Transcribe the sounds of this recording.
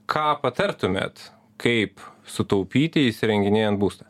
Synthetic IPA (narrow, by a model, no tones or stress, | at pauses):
kʰɑːpɐt̪ɐɾt̪ʊmʲḛːt̪ | kʰɐɪpsʊt̪ɐʊpʲiːt̪ʲɪɪsʲɪɾʲɛŋʲɡʲɪnʲeːjɛnt̪buːst̪ɐ